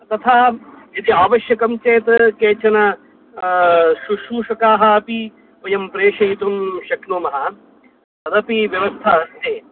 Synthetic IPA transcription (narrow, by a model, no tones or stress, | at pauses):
t̪ɐt̪ʰaːɐd̪iaːʋɐʃjɐkɐmt͡ʃeːt̪ɐkeːt͡ʃʰɐnɐ | ʃuʃuːʃɐkaːɦɐɐpi | ʋɐjɐmpɾeːʃɐjt̪umʃɐknoːmɐɦɐ | ɐd̪ɐpiʋjɐʋɐst̪ʰɐːɐst̪ʰeː